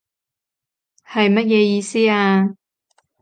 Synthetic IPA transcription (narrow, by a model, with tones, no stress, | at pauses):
hɐ˨jmɐ˥t̚jɛː˧jiː˧siː˥aː˧